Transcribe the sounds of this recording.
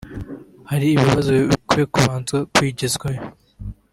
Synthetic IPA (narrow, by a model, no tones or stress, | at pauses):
haɾiːβiβazokekuβaːnzɡakwiːɟezɡwajo